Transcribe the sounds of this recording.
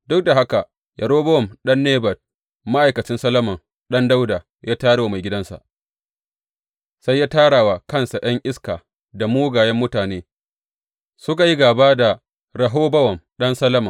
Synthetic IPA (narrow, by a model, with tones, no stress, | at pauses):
dʊ˦k̚da˨ɦa˦ka˨ | jʔɐ˨ɽoː˦bɐ˦wɔ˨mɗɐ˦nːeː˦bɐ˨t̚ | ma˦ʔa˨jkɐ˨t͡ʃɪ˦nsɐ˦lːɐ˦mɐ˨ŋ | ɗɐ˦nda˦wdaː˨ | jaː˦taː˦ɽwa˨ma˨jɡʲɪ˦dɐ˦nsa̰˨ʔ | sa˦jːaː˦taː˦ɽaː˨waː˨kɐ˦˨nsa˨j̰ɐ˦ŋʔɪ˦skaː˨ | da˨muː˦ɡaː˨jɛ˦mːʊ˦taː˨neː˦ | sʊ˦ka˨ji˦ɡaː˨baː˦da˨ | ɽɐ˨ɦoː˦bɐ˦wɐ˨mɗɐ˦nsɐ˦lɐ˦mɐ˨ŋ